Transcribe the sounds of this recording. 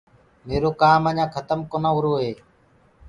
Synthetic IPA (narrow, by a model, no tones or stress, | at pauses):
meːɾoːkaːməɲãːkʰət̪əmkoːnãːʊɾoːɦeː